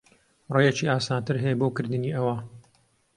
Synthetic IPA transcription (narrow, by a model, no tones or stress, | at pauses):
rejet͡ʃiʔaːsaːnt̪ɨɾɦɛjeboːkɨɾd̪ɨniːʔɐwa